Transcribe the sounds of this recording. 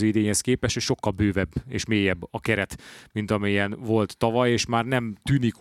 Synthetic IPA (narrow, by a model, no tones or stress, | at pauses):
øid̪eːɲhɛskeːpɛʃeʃo̞kːɒlbøːvɛbːḛːʃmeːjɛbːɒkɛɾɛt̪mint̪ɒmɛjɛnvo̞lt̪ːɒvɒjeːʃmaːrnɛmt̪yːnik